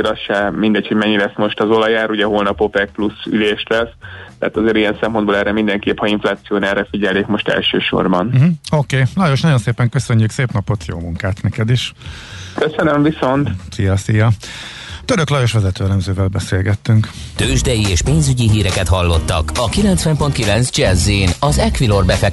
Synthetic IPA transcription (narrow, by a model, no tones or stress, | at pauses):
ɾɒsʃɛmind̪ɛcho̞ɟmɛɲːilɛsmo̞ʃt̪ɒzolɒjaːɾuɟɛɦoːlnɒpopɛk̚plusy̰leːʃlɛst̪ɛ̰ːt̪ɒzeːɾijɛnsɛmpo̞nd̪boːlɛːɾɛmind̪ɛŋkeːphɒiɱflaːt̪sijoːnɛrɛfiɟɛlːeːkmo̞ʃt̪ɛ̰lʃø̰ːʃo̰rbɒnm̩ɦ̩okeːlɒjoʃnɒɟo̞nseːpɛŋkøsø̞ɲːykseːpnɒpo̞t̪jo̰ːmuŋkaːt̪nɛkɛd̪iʃ | køsønømviso̞nt̪sijɒsijɒ | t̪øɾøklɒjo̞ʃʋɛzɛt̪øːɛlɛmzøːvɛlbɛseːlɡɛt̪ːyŋkt̪øːʒd̪ɛjieːʃpeːnzyɟiɦiːɾɛkɛt̪hɒlːo̞t̪ːɒ̰kɒkilɛnt̪sʋɛmpo̞nt̪̚kilɛnzd͡ʒɛzinɒzɛkʋilo̞rbɛfɛk